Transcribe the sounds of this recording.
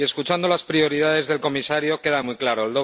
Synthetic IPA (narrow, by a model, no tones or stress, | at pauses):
e̞skut͡ʃand̪o̞laspɾio̞ɾiðað̞e̞zðe̞lko̞misaɾjo̞ke̞ðamujklaɾoeld̪o̞